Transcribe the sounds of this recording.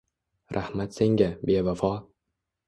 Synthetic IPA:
ɾʔahmat̪se̞ŋɡʲabe̞vafɒ

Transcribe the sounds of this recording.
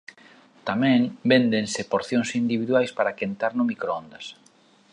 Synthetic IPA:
t̪amɛ̃ŋbend̪eŋsɪpoɾθjoŋsind̪iβiðwajspaɾakent̪aɾnʊmikɾoɔnd̪ɐs

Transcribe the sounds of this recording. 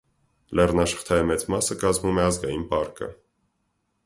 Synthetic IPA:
lɛrnɑʃə̥χt̪ʰɑjəmɛt͡smɑsəkɑzmumɛɑzɡɑjinpɑɾkə̰

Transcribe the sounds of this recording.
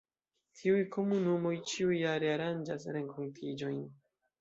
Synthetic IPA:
tʰiujkʰo̞munumo̞jt͡ʃiujːaɾe̞aɾand͡ʒas̬ɾe̞ŋkʰontʰid͡ʒo̞jn

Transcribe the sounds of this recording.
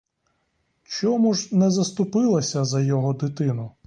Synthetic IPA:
t͡ʃɔmuʒnɛzɐst̪ʊpɪlˠɐsʲɐzɐjɔɦɔd̪ɪt̪ɪnʊ

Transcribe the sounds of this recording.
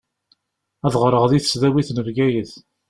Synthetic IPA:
æðʁɾˤəʁðiθə̥sðæwiθnəvɡæjəθ

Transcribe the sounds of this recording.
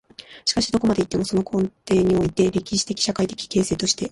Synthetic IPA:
ɕi̥kaɕi̥d̪o̞ko̞mad̪e̞it̪ːe̞mo̞so̞no̞kʰõ̞nt̪e̞ːɲ̟io̞it̪e̞ɾʲe̞kʲiɕi̥t̪e̞kʲi̥ɕakait̪e̞̥kʲi̥ke̞ːse̞ːt̪o̞ɕi̥t̪e̞

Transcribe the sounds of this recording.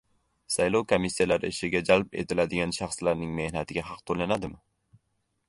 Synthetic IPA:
sajlˠowkʰomisːijalaɾɪɪʃɪɡʲad͡ʒalpe̞̰t̪ʰɪlad̪ɪɡʲanʃaχslaɾnɪŋme̞hnat̪ʰɪɡʲahɑq̚t̪ʰolanad̪ɪmɪ

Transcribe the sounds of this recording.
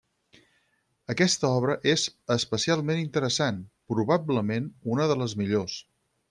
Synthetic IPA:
əkɛst̪əɔβ̞ɾəʔezəspəsialˠmenint̪əɾəsanpɾuβ̞abləmenunəðələzmiʎos

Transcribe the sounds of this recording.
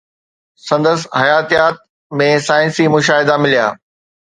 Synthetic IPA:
sɐ̃nd̪əshɐjaːt̪ijaːt̪̚ | mẽsaːɪ̃nsimʊʃaːɦɪd̪amɪlija̰ː

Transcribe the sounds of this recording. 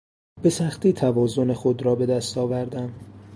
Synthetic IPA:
b̥e̞sæxt̪iːt̪ʰævɒːzone̞xod̪ɾɒːbe̞d̪æst̪ɒːvæɾd̪æm

